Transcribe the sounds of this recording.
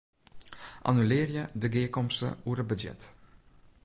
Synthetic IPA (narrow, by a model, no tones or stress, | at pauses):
ʔa̰nylɪːrjədəɡɪːkɔmstə̰uːəɾəbəjɛ̰t